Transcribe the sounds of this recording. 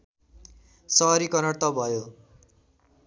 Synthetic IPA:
sʌɾikʌnʌɽt̪ʌbʱʌjo

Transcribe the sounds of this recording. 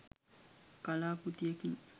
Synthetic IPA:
kalakut̪ieki

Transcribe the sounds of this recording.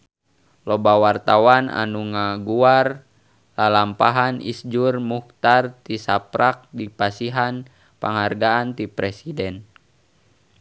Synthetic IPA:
lɔbawart̪awana̰nuŋaɡuar | lalampaɦanʔḭsd͡ʒurmuht̪art̪isapɾak̚dipasiɦan | paŋharɡaant̪ipɾɛsidɛn

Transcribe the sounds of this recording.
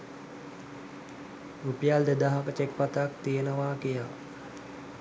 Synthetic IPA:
rupijald̪əd̪aɦakət͡ʃek̚pat̪ak̚t̪iənəʋaːkija

